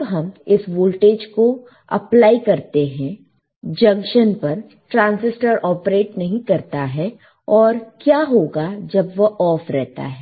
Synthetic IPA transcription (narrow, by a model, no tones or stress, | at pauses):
bɦɐmɪsʋoːlʈeːd͡ʒko | ɐ̰plaːikɐɾt̪eɦɛ̃ | d͡ʒɐ̃ŋkʃənpɐɾ | ʈɾãːnsɪsʈəɾɔːpɾeːʈnɐɦĩkɐɾt̪aɦɛ | ɔːɾkjaːɦoːɡad͡ʒɐbʋɐʔɔːfɾɛɦt̪a̰ɦɛː